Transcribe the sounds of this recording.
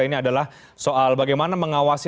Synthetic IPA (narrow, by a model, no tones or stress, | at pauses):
iniadalah | soʔalbaɡajmanaməŋawasi